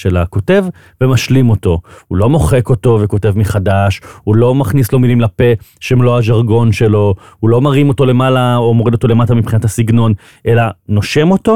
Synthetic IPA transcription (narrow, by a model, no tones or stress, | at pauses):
ʃela̰ko̞te̞v | vemaʃlimo̞to̞hulo̞mo̞χe̞ko̞to̞ve̞ko̞te̞vmiχadaʃhulo̞maχnislo̞milimlape̞ʃemloaʒaʁɡo̞nʃe̞lo̞hulo̞maʁimo̞to̞le̞malaomo̞ʁid̪o̞t̪o̞le̞matamipχinatasiɡno̞n | ʔe̞lano̞ʃe̞mo̞to̞